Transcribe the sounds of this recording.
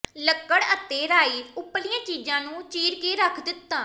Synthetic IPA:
ləkːəɽət̪eːɾaːiːt̪ʊplijãːt͡ʃiːd͡ʒãːnũːt͡ʃiːɾkeːɾəkʰd̪ɪt̪ːãː

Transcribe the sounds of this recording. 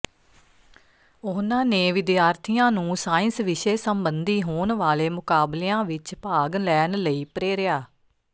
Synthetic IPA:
ʊnãːneːʋɪd̪jaːɾt̪ʰijãːnũːsaːɪ̃nsʋɪʃeːsəmbənd̪iːɦoːnʋaːleːmʊkaːbleːãːʋɪt͡ʃpaːɡlɛːnləiːpɾeːɾɪjaː

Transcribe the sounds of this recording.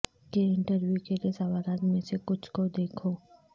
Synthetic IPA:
keɪ̃ɳʈəɾʋjukeliesɐʋaːɾaːt̪mẽsekʊt͡ʃʰkod̪eːkʰoː

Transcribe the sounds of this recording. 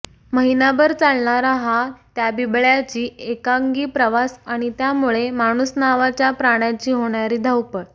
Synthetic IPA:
məɦinabəɾt͡salɳaɾaɦat̪jabibɭjat͡ɕiːekaŋɡiːpɾəʋasaɽ̃it̪jamuɭemaɽ̃usnaʋat͡ɕjapɾaɽ̃jat͡ɕiːɦoɳjaɾiːd̪ʱəwpəɽ

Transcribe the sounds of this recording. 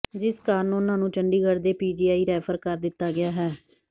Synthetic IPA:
d͡ʒɪskaːnʊnãːnũːt͡ʃəɳɖiːɡəɾd̪eːpiːd͡ʒiːaːiːɾɛːpʰəɾkəɾd̪ɪt̪ːaːɡɪjaːɦɛː

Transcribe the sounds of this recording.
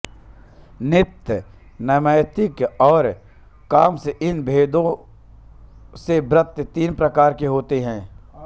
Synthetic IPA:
nɪt̪j | nɐməɪt̪ɪkɔːɾ | kaːmseʔɪnbʱeːd̪õ | sebɾət̪ːət̪iːnpɾɐkaːɾkeɦoːt̪eɦɛ̃ː

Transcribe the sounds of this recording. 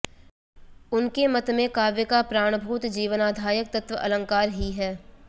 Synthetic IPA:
ʊnkemɐt̪mẽkaːʋjəkapɾaːɽ̃bʱuːt̪d͡ʒiːʋənaːd̪ʱaːjək̚t̪ɐt̪ʋəʔɐlə̃ŋkaːɾɦiɦɛː

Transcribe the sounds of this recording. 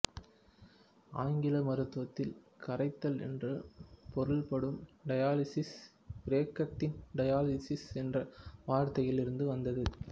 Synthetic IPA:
aːŋɡɪlɐmɐɾɯt̪ːɯʋɐt̪ːɪl | kɐɾɐɪt̪ːɐlɛ̰ndrɯpɔɾɯlpɐɽɯmɖɐjaːlɪsɪs | b̥ɾeːkːɐʈːɪnɖɐjaːlɪsɪsɛndrɐʋaːɾt̪ɐjɪlɪɾɯnd̪ɯʋɐnd̪ɐðɯ

